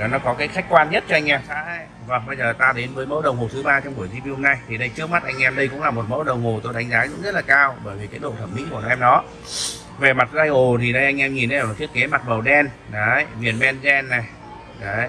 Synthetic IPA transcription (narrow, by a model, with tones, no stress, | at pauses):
ɔ˨˦nɔ˨˦kɔ˨˦kaː˨˦jxa˦˥k̚kwaː˧nɲə˦˥t̚t͡ɕɔ˧ʔa˧ŋ̟ʔɛ˧˩mxa̰ː˧˥a˧˦ | və˨˩ŋɓə˧jzəː˨˩t̪aː˧ɗe˨˦nvəː˨˦jmə˨˦wɗə˨˩wŋ͡mho˨˩t̪ʰɨ˨˦ɓaː˧t͡ɕɔ˧wŋ͡mu˧˩əzi˧m˧ho˧mna˧jt̪ʰi˨˩ɗə˧jt͡ɕɨ˦˥ək̚ma˦˥t̚ʔa˧jŋʔɛ˧mɗə˧jkʊ̰˧˥ŋ͡mlaː˨˩mo˨˩t̚mə˨˦wɗə˨˩wŋ͡mɦo˨˩t̪o˧jɗa˨˦ŋ̟zaː˨˦kʊ̰˧˥ŋ͡mzə˦˥t̚laː˨˩kaː˧wɓəː˧˩jvi˨˩kaː˨˦jɗo̰˧˨t̪ʰə˧˩mḭ˧˥kn˨˧ʔɛ˧mɗɔ˨˦ | ve˨˩ma˨˩t̚zaː˧jho˨˩t̪ʰi˨˩ɗə˧jʔa˧jŋ̟ʔɛ˧mŋi˨˩nə˧˨˧tt͡ɕʰi˦˥əkːe˨˦ma˨˩t̚mə˨˩wɗɛ˧nɗə˨˦jvi˨˩ənmɛ˧nzɛ˧nːa˨˩j | ɗə˨˦